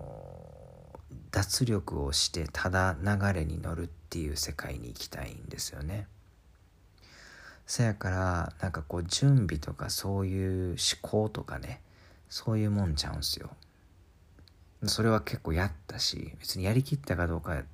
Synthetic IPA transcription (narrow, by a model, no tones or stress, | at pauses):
d̪̥at͡sɨɾʲo̞kɯ̟o̞̰ɕi̥t̪e̞t̪ʰad̪anaɡaɾe̞ɲ̟ḭno̞̰ɾɯ̟t̪ːe̞jɯ̟̰ːse̞ka̰ḭɲ̟ḭːkʲi̥t̪a̰ḭ̃nd̪e̞sɨ̥jo̞̰ne̞ | sajakaɾanãŋkako̞ːd͡ʑɨ̃mbʲit̪o̞ka̰so̞ːjɯ̟ːɕi̥kʰo̞ːt̪o̞kane̞ | so̞ːjɯ̟ːmõ̞ɲt͡ɕã̰ɯ̟̃nsɨjo̞̰ | so̞ɾe̞β̞ake̞kːo̞ːjat̪ːaɕḭbe̞t͡sɨɲ̟ijaɾʲikʲit̪ːakad̪o̞ːka